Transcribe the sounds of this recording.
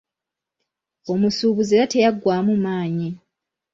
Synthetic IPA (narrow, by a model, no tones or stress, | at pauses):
o̞musuːβuzeːɾate̞jaɡːwaːmumaːɲi